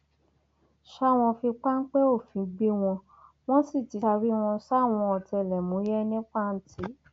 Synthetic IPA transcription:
ʃa˦˨w̃ɔ̃˧fi˧k͡pa˦ŋ̩˦k͡pɛ˦o˦˨fĩ˨˦ɡ͡bi˦w̃ɔ̃˧ | w̃ɔ̃˦si˦˨ti˨˧a˧ɾi˦w̃ɔ̃˧ʃa˦˨w̃ɔ̃˧ɔ˧˨tɛ˧˨lɛ˨mũ˨˦jɛ˦nĩ˦k͡pa˦˨n̩˦ti˨˦

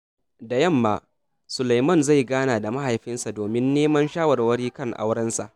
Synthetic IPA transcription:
da˨jɐ˦˨mːaː˦ | sʊ˨la˨jmɐ˦˨nza˦˨jɡaː˦naː˨da˨ma˦ha˨jɸɪ˦nsa˨doː˨mɪ˦nːeː˦mɐ˦nʃaː˦wɐ˨rwɐ˦ɽiː˦kɐ˦˨ŋʔa̰˦wɽɐ˦nsa˨ʔ

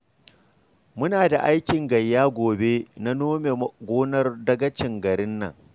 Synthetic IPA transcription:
mʊ˦naː˨da˨ʔa˦jkʲɪ˨ŋɡɐ˨jːaː˦ɡʷoː˨be˦na˦noː˦me˨ɡʷoː˦nɐ˦rdɐ˦ɡɐ˦t͡ʃɪ˨ŋɡɐ˨ɾɪ˦nːɐ̰˨ŋ

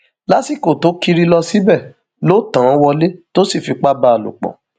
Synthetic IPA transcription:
la˨˦si˦˨ko˨to˨˦ki˧ɾi˧lɔ˧si˨˦bɛ˦˨ | lo˦tã˨˦wɔ˧le˦to˦si˦˨fi˧k͡pa˦ba˦˨lṵ˨k͡pɔ̰̃˨

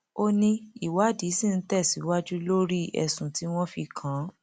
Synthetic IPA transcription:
o˧nĩ˧i˨wa˨˦di˨˦sĩ˦˨n̩˦tɛ˦˨si˨˦wa˦d͡ʒu˦lo˦ɾi˦ɛ̰˧sũ˨ti˨˦w̃ɔ̃˦fi˧kʰã˨˦

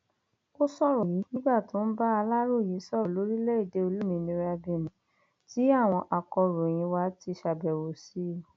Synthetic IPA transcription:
o˦sɔ˦˨ɾɔ˨ji˨˦nĩ˦ba˦˨to˨˦n̩˦ba˦a˧la˦ɾo˦˨ji˨˦sɔ˦˨ɾɔ˨lo˨˦ɾi˦le˦i˦˨de˧˦o˧lu˦mĩ˧˦nĩ˧˦ɾa˧be˨nĩ˨ | ti˨˦a˦˨w̃ɔ̃˧ʔa˨kɔ˧ɾo˨j̃ĩ˧wa˧˦ti˧ʃa˨bɛ˨wo˨si˨˦˨

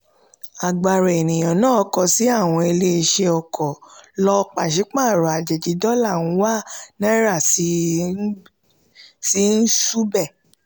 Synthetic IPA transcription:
a˨ɡ͡ba˨ɾɛ˨e˨nĩ˨j̃ã˨nãː˦˨˧kɔ˧si˨˦a˦˨w̃ɔ̃˧e˧le˦e˧ʃe˧ɔ˧kʰɔ˨lɔ˧k͡pa˨ʃi˨˦k͡pã˦˨ɾɔ˨a˨d͡ʒɛ˨d͡ʒi˨˧dɔ˦la˦˨wũ˧˦wa˦nã˦ɾa˦˨si˧˦ | si˨˦n̩˦su˦bɛ˦˨

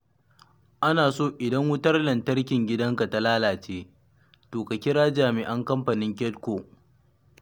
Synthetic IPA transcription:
ʔa˦naː˨soː˦ʔɪ˨dɐ˦ŋwʊ˦tɐ˦rlɐ˨ntɐ˦rkʲɪ˨ŋɡʲɪ˦dɐ˦ŋka˨ta˦laː˦laː˨t͡ʃeː˦ | toː˨ka˨kʲɪ˦ɽaː˦d͡ʒaː˨mɪ˨ʔɐ˦ŋkɐ˦mɸɐ˨nɪ˦ŋkʲɛ˦tkʷoː˨

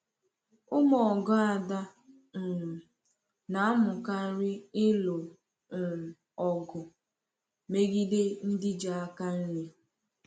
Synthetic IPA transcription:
ʊ˦mɔ˨ɡɔ˦a˨da˦ | m̩˨ | na˨˦mʊ˨ka˦ɾɪ˦ɪ˦lʊ˨ | ɔ˨ɡʊ˨ | me˦ɡi˦de˦n̩˦dɪ˦d͡ʒa˨a˦ka˦n̩˦ɲe˦

